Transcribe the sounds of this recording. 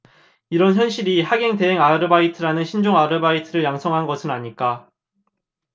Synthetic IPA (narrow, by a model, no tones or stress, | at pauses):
iɾʌnçjʌnɕʰiɾihaɡe̞ŋte̞ɦeŋaɾɯbaitʰɯɾanɯnɕʰind͡ʑoŋaɾɯbaitʰɯɾɯɭjaŋsʰʌŋɦanɡʌsʰɯnaɲik͈a